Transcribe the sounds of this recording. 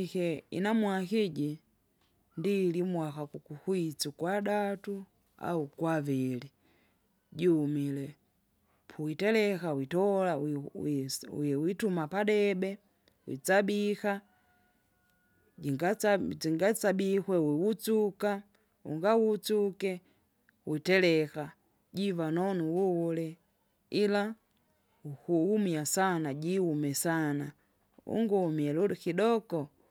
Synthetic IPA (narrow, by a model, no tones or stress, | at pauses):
ikɛḭnamwakiɟi | ndiːlimwakakukuhwit͡sukwadatu | a̰ukwavili | ɟiumilɛ | pʰuwitɛlɛkawitɔla | ɛwitumapadɛbɛ | wḭt͡sabika | iŋɡaaziŋɡat͡sabikwɛwiwut͡suka | ṵŋɡawut͡sukɛ | witɛlɛka | ɟivanɔnuwuwulɛ | ila | ukuumiasanaɟiumɛsana | ṵŋɡɔmiɛlukidɔkɔ